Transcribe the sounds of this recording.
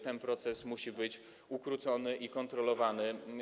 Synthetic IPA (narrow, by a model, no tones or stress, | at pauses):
t̪ɛnpɾɔt̪sɛsmuɕibɘt͡ɕ | ukɾut̪sɔnɘʔikɔnt̪ɾɔlɔvanɘ